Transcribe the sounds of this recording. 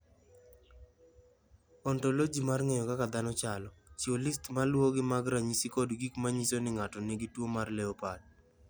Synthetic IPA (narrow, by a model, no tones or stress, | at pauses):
ɔntolod͡ʒimarŋejɔkakad̪anɔt͡ʃalɔt͡ʃiolistmalwoɡɪmaɡɾaɲisikodɡikmaɲisonɪŋatɔnɪɡɪtwomarleopad̚